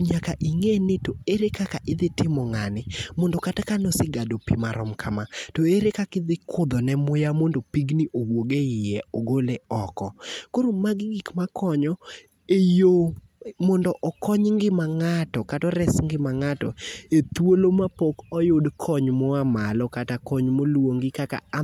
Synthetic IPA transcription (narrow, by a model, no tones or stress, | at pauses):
ɲakaʔiŋenɪtoeɾekakaʔɪd̪ɪtɪmɔŋanɪmɔndɔkatakanɔsɪɡadopḭmaɾɔ̰mkʰa̰matoeɾekakɪd̪ɪkʰʊd̪ɔnɛmʊjamondopiɡnɪʔowoɡeɪjɛoɡoleɔkɔkoɾomaɡɡikmakʰɔɲɔ | ejo | mɔndɔʔɔkɔɲŋɡɪmaŋatɔkatɔɾɛsŋɡɪmaŋatɔet̪wolomapokɔjodkʰɔɲmɔamalɔkatakɔɲmolwoŋɡɪkaka̰